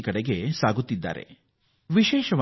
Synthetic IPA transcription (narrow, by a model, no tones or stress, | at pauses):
ikɐɽeɡesaːɡut̪ːid̪ːa̰ːɾḛ | ʋiʃeːʃɐʋ